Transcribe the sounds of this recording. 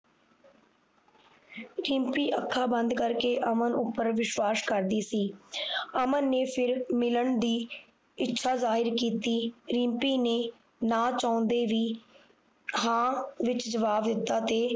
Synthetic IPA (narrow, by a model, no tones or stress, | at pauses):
ɾĩːmpiːʔəkʰːaːbə̃nd̪kəɾkeːʔəmənʊpːəɾʋɪʃwaːskəɾd̪iːsiːəmənːeːpʰɪɾmɪləɳd̪iː | ɪtːʃʰaːzaːɦɪɾkiːt̪iːɾĩːmpiːneː | naːt͡ʃaːnd̪eːʋiː | ɦãːʋɪt͡ʃd͡ʒəʋaːʋd̪ɪt̪ːaːt̪eː